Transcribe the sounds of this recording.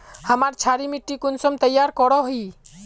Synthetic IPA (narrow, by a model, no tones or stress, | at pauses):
həmaɾt͡ʃʰaɾimiʈːikunsɔmt̪əjːaɾkɔɾɔɦi